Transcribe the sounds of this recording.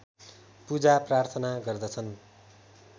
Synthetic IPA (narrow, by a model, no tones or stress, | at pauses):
pud͡zaprart̪ʰʌnaɡʌrd̪ʌt͡sʰʌn